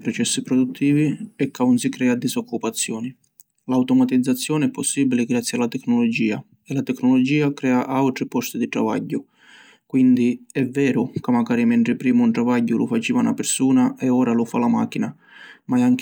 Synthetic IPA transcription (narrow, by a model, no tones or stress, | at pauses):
pɾɔt͡ʃɛsːipɾɔd̪ut̪ʰːiːviɛkːaunsikɾɛːad̪isɔkːupat̪sːjɔːni | lawt̪ɔmat̪id̪zːat̪sːjɔːnɪɛpːɔsːiːbilɪɡɾat̪sːjalːat̪ɛkːnɔlɔd͡ʒiːa | ɛlat̪ɛkːnɔlɔd͡ʒiːakɾɛːaʔawt̪ɾipɔst̪id̪it̪ɾa̰va̰ɟːʊ | kwind̪iɛvːɛːɾʊkamːaɡaːɾimɛnt̪ɾɪpɾiːmʊunʈ̪ɾavaɟːʊlṵfat͡ʃiːvana̰peɾsuːnaɛɔːɾalufalama̰ːk̟ːina | maɛaŋk